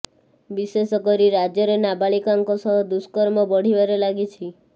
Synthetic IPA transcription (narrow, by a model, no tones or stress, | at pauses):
bisesɔkɔɾiɾad͡ʒjɔɾenabaɭikaŋkɔsɔɦɔd̪uskɔɾmɔbɔɽ̤ibaɾelaɡit͡ʃʰi